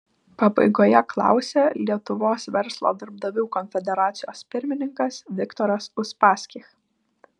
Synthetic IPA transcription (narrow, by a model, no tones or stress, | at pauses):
pɐbɐ̰ɪɡoːjɛklˠɑ̰ˑʊsʲeːlʲiɛt̪ʊʋoːsʋʲɛɾslˠo̰d̪ɐɾb̚d̪ɐʋʲuːkɔnʲfʲɛd̪ʲɛɾɑːt̪sʲɪjoːspʲɪɾʲmʲɪnʲɪŋkɐsʋʲɪkt̪ɔːɾɐsʊspɑːsʲkʲix